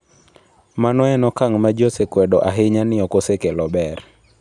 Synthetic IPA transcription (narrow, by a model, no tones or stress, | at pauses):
manɔɛnɔkaŋmad͡ʒosekwɛdɔʔaɦɪɲanɪɔkosekelɔbɛr